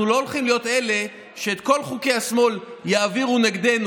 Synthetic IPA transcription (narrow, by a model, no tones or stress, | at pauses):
ulo̞olχimlijo̞t̪ele̞ | ʃe̞ːt̪ko̞lχuke̞jhasmo̞ljaaviʁuneɡd̪e̞nu